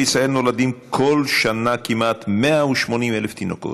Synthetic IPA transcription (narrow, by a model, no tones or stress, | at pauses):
isaelnolad̪imkʰolʃanakimat̪meauʃmo̞nimʔeleft̪ino̰ko̰t